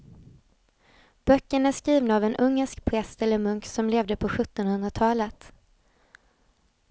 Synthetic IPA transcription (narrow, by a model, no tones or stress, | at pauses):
b̥œkːəɳæʂkɾiːvnaːvɛnʔɵŋːəʂkpʰɾɛst̪ɛlːəɾmɵŋksɔmleːvd̪əpʰɔɧɵt̪ːɔnhɵnd̪ɾat̪ʰɑːlət̪